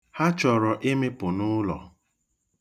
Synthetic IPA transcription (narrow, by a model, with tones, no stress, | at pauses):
ha˦t͡ʃɔ˨ɾɔ˨ʔe˦me˦pʊ˨nʊ˦lɔ̰˨